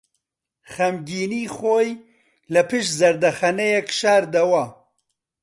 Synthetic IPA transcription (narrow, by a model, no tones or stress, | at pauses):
xɐmɡiːniːxoːj | lɐpʰɨʃzɐɾd̪ɐxɐnɛjɛkʃaːɾd̪ɐwɐ